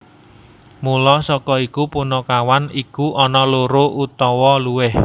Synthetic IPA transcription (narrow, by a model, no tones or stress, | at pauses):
mulɔsɔkɔikupunɔkawanikuʔɔnɔloɾoʔut̪ɔwɔluwɪh